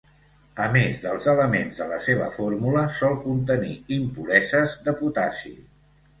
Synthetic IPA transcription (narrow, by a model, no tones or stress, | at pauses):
əmezðəlˠzələmenzðələseβ̞ə̰foɾmuləsɔlˠkunt̪ənḭimpulɛzəzðəput̪asḭ